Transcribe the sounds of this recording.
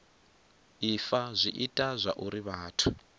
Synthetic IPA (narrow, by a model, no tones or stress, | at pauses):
ifazʷiʔitʼazʷaʔuɾiβaːtʰu